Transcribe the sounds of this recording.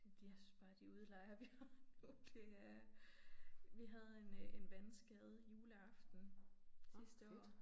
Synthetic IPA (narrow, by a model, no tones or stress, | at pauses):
d̥d̥jæsy̥sb̥ɑ̈ːd̥iuð̞ˠlɑ̈ɪɐʋihɑnud̥e̝æɐ | ʋiɦæð̞ˠe̝nenʋænsɡ̥ɛð̞̩ˠjuːləɑfd̥n̩sisd̥əɔ̰ː